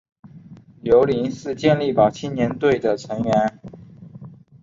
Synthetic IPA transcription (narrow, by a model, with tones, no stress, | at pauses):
jo˧˥ʊli˧˥nʂɻ̩ɹ̩˥˧t͡ɕjɛ˥˧nli˥˩pɑ˨˩ʊt͡ɕʰi˥njɛ˧˥nt̪we˥˩ɪd̪ə˩ʈ͡ʂʰɤ˧˥ŋɥɛ˧˥n